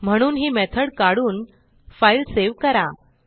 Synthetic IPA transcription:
m̤əɽ̃uːnɦiːmɛt̪ʰəɽkaɽuːn | failseʋkəɾa

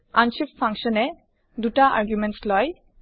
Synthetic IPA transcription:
anʃiffãŋkʃɔnɛ | d̪uʈaʔa̰ɹɡjumɛnslɔj

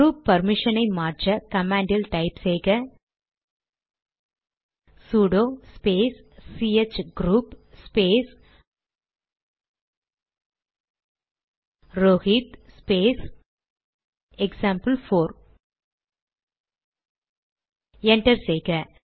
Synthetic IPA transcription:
ɾuːpːɐɾmɪʂɐnɐɪmaːɾt͡ʃɐkɐmaːɳɖɪlʈɐɪpsɛjɣɐ | suːɖoːspeːsːiet͡ʃɡɾuːpspeːs | ɾoːɣiːt̪speːs | ɛksaːmpɐlfoːɾ | ɛɳʈɐɾsejɣɐ

